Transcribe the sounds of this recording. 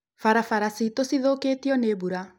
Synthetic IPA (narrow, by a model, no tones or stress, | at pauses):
faɾafaɾasitosiðoːkeːtiɔneːbuɾa